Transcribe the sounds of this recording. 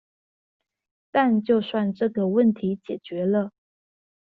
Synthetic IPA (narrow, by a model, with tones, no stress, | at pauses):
t̪a˥˧nt͡ɕjo˥˧ʊswa˥˧nʈ͡ʂɤ˥˩ɡə˩wə˥˩nt̪ʰi˧˥t͡ɕjɛ˨˩t͡ɕɥɛ˨˧˥lə˧